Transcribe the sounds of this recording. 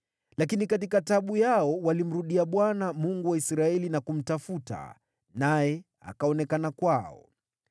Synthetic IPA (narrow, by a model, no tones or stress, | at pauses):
lakinikat̬ikataɓujaɔwalim̩ɾuɗiaɓwanamuŋɡuwaisɾaɛlinakum̩tafuta̰ | najɛ | a̰kaɔnɛkanakwaɔ̰